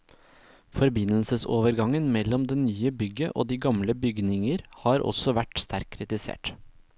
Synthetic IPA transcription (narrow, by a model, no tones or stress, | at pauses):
fɔɾbɪnl̩səso̰ːʋəɾɡɑŋənmɛlːɔmd̪ɛnyːəbʏɡəʔo̰ːd̪iːɡɑmləbʏɡnɪŋəɾhɑːɾʔɔ̰sɔʋæʈst̪ʰæɾkʰːɾɪt̪ɪsḛːʈ